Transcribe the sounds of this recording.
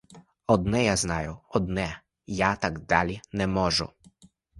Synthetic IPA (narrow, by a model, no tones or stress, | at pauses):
ɔd̪nɛjaznaːjɔɔd̪nɛ | jaːt̪aɡd̪aːlʲinɛmɔːʒṵ